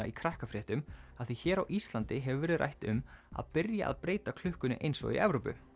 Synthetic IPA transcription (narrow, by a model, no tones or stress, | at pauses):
aikʰɾahkafɾɛːht̪ʏmaθθiçɛːɾawʔist̪lant̪ɪɦɛvʏvɛːɾɪðrʔa̰jht̪ʏ̰ma̰ðpɪɾja̰ʔa̰ðpɾeːjt̪akʰlʏhkʏnɪ̰ʔejnsɔ̰ḭʔɛvɾoːpʏ̰